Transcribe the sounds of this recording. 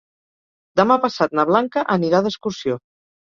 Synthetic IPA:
d̪əmapəsat̪̚nəβlaŋkəʔəniɾaðəskuɾsio

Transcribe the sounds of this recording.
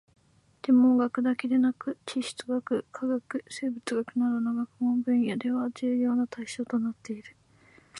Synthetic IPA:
d̪̥e̞mo̞ɡakɯ̟d̪ake̞d̪e̞nakɯ̟t͡ɕiɕi̥t͡sɨɡakɯ̟kʰaɡakɯ̟se̞ːbɯ̟t͡sɨɡakɯ̟naɾɯnoɡakɯ̟hõmbɯ̟̃ɰ̃jad̪e̞βad͡ʑɨːjo̞ːnat̪aiɕo̞ːt̪o̞nat̪ːe̞iɾɯ̟

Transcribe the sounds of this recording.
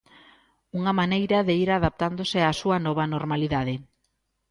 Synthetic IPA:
uŋɐmanejɾɐðeiɾaðap̚t̪and̪osɪasuɐnɔβ̞ɐnoɾmaliðaðɪ

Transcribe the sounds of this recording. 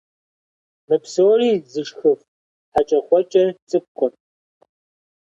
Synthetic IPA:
mɨpsoːriːzɨʂxɨf | ħat͡ʃʼɐχʷɔt͡ʃʼɐt͡sʼɨp̚qʷʼɔn

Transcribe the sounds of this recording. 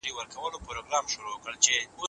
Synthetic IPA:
ɾiwəɾkʰawəlopɾoɡɾɑmʃuɾokəɭt͡ʃeo

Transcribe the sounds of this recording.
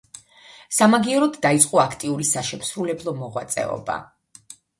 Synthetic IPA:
samaɡiɛɾɔd̪d̪ait̪sʼqʼɔakʰt̪ʼiuɾisaʃɛmsɾulɛblˠɔmɔʁwa̰t̪sʼɛ̰ɔ̰ba̰

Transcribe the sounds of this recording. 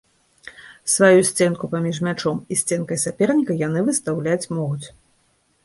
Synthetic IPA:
svajusʲt͡sʲɛnkupamʲiʂmʲat͡ʂɔmisʲt͡sʲɛnkɐjsapʲɛrnʲikɐjanɨvɨst̪awlʲat͡sʲmɔɣut͡sʲ

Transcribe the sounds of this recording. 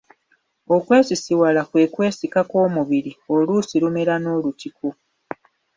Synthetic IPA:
o̞kwe̞ːsisiwalakwe̞kwe̞ːsikako̞ːmuβiɾio̞luːsiɾumeɾano̞ːlutikʰo

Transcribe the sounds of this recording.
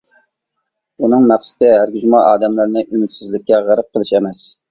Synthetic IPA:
unɨŋmæχsɪ̥t̪ɪhæɾɡʲyzmɑʔɑːd̪ɛmlæɾnɪʔynyt̪sɪzlɪkʲːɛʁæɾɨp̚qəlˠɨʃɛmɛs

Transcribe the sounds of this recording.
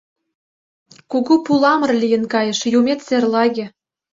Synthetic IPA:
kuɣupulˠɑmɤ̆rlʲijə̆nkɑjə̆ʃjumʲet̪serlˠɑɣʲĕ

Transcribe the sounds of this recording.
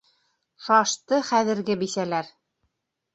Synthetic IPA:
sɑʃt̪ɤχæðɘ̆ɾɡɘbisælæɾ

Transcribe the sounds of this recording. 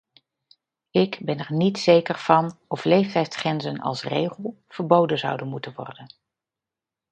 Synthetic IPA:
ɪkbɛnɛɹnitsejkəɹv̥ɑnɔflejftɛjtsχrɛnzənɑ̰lˠsrḛjχəlˠ | v̥əɹbowdənzʌ̰wdənmutənʋɔ̰rdən

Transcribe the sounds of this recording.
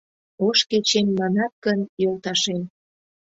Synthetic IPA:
oʃket͡ɕemmɑnɑt̪̚kənjolt̪ɑʃen

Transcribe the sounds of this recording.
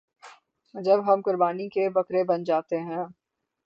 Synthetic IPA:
d͡ʒɐbɦɐmkʊɾbaːnikebɐkɾebɐnd͡ʒaːt̪eɦɛ̃ː

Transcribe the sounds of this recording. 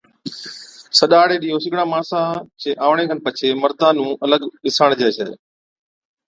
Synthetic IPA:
səɗaːɽeːɗiːɦoːsɪɠɽãːmaːɳsãːt͡ɕeːʔaːʋɳ̃ẽːɡʱənpət͡ʃʰeːməɾd̪aːnũːʔɐləɡɗɪsaɳ̃d͡ʒeːsəː

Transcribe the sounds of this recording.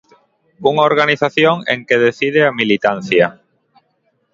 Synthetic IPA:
uŋaoɾɣaniθaθjoŋḛŋkeðeθiðeamilit̪an̟θja

